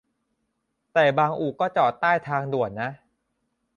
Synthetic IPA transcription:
t̪ɛː˨˩baː˧ŋʔuː˨˩kɔː˥˩t͡ɕɔː˨˩t̪ːaː˥˩jt̪ʰaː˧ŋdu˨˩ət̪̚na˦˥ʔ

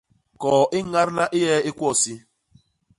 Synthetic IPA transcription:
kɔː˨ʔɪ˦ŋ̩˦ŋa˦ɾɪ˦na˦ʔɪ˦ɦe˦ɪ˦kʷɔ˦˨si˦

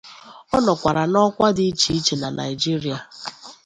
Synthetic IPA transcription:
ɔ˦nɔ˨kʷa˨ɾa˨nɔ˦kʷa˦dɪ˦i˦t͡ʃi˦i˦t͡ʃe˨na˨nʔa̰˨i˨d͡ʒi˦ɾi˨a˨

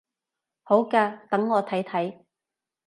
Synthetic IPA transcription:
ho˨˥wkaː˧t̪ɐ˨˥ŋːɔː˨˧t̪ʰɐ˨˥jt̪ʰɐ˨˥j

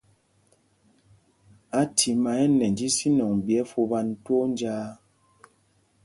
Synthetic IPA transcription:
a˨˦tʰi˨ma˨ɛ˦nɛ˨n˨d͡ʒi˦si˦nɔ˨ŋ˨bjɛ˨˦fu˧ba˦n˦twɔ˦n˦d͡ʒaː˦

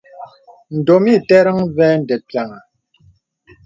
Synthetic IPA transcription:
n̩˨do˨mi˦˨tɛ˦ɾə˦ŋvɛː˦n̩˨də˨pja˨ŋa˨

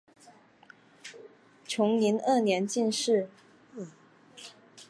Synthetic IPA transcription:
ʈ͡ʂʰʊ˧˥ŋni˧˥nɤ˥˩njɛ˧˥nt͡ɕi˥˧nʂɻ̩˥˩

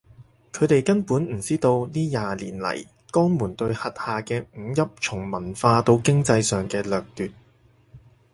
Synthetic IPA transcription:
kʰɵ˨˧t̪e˨jkɐ˥npuː˨˥nm̩˨˩t͡siː˥t̪o˧wniː˥jaː˨liː˨˩nlɐ̰˨˩j | kɔː˥ŋmuː˨˩nt̪ɵ˧ɥhɐ˨t̚haː˨kɛː˧m̩˨˧jɐ˥p̚t͡sʰʊ˨˩ŋmɐ˨˩nfaː˧t̪o˧wkɪ˥ŋt͡sɐ˧jsœː˨ŋkɛː˧lœː˨k̚t̪yː˨t̚

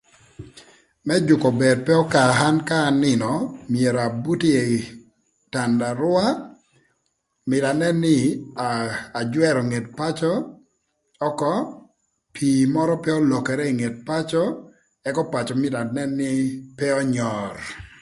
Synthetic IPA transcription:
mɛ˦d͡ʒʊ˨kɔ˨be˨d̚pɛ˦ɔ˦ka˨ɦa˦nkaː˦˨nɪ˦nɔ˨mje˨ɾa˨bu˦ti˦e˨ | ta˨nda˨ɾʊ˦a˦ | mɪ˨da˨nɛ˦nːɪ˦ | a˨d͡ʒwɛ˦ɾɔ˨ŋe˨tpa˦t͡ʃɔ˦ | ɔ˦kɔ˦ | pʰi˨mɔ˦ɾɔ˦pɛ˦ɔ˦lɔ˨kɛ˨ɾɛ˦i˨ŋe˨t̚pa˦t͡ʃɔ˦ | ɛ˦kɔ˦pa˨t͡ʃɔ˨mɪ˦da˨nɛ˦nːɪ˦pɛ˦ɔ˦ɲɔ˨r

